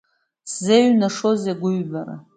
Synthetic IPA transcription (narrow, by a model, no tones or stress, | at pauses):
szeɥnaʂozeɡʷʊɥbara̰